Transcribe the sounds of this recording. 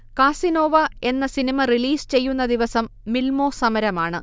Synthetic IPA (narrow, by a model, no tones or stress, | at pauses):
kaːsino̞ːʋɐe̞nːɐsinimɐriliːst͡ɕe̞jːunːɐd̪iʋɐsɐmːilmo̞ːsɐmɐɾɐmaːɳɨ̰